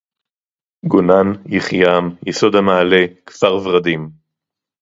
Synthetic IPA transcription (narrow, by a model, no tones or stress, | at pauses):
ɡonanjiχjamjeso̞d̪hamaːlekv̥aʁvʁad̪im